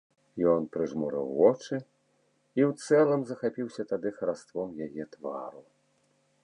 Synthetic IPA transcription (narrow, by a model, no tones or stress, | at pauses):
jɔnpɾɨʐmɔɾɛ̰wːɔt͡ʂɨ | iwt̪sɛlˠɐmzɐxapʲiwsʲɐt̪ad̪ɨxɐɾast̪vɔmjajɛt̪va̰ɾu